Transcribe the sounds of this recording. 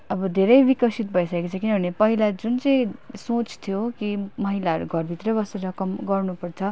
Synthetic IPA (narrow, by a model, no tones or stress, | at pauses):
ʌbʌd̪ʱeɾʌjbikʌsit̪̚bʱʌisaekot͡sʰʌkinʌbʱʌnepʌɦilad͡zunt͡sʌ̃j̃sõt͡st̪ʰijokimʌɦilaʌɾuɡʱʌrbʱit̪rʌbʌseɾʌkʌmɡʌrnupʌrt͡sʰʌ